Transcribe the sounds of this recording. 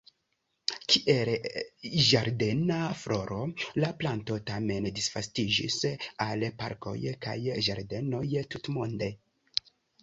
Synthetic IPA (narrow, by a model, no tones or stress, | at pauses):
kiʔel | ʒaɾde̞naflo̞ɾo̞laplanto̞tame̞ndisfastid͡ʒḭsalpa̰ɾko̞̰jka̰jʒaɾde̞no̞jtutmo̞nde̞